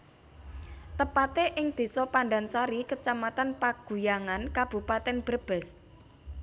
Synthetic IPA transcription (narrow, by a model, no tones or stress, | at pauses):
t̪əpat̪eʔɪŋd̪̥e̤sɔpanɖansaɾikət͡ʃamat̪anpaɡ̥ṳjaŋankab̥ṳpat̪ɛnb̥ərb̥ɛ̤s